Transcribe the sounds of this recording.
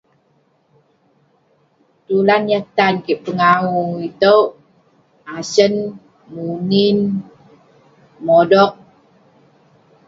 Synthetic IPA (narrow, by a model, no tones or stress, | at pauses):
t̪ulanjat̪ankiʔpəŋauit̪əw | asən | munin | modɔk̚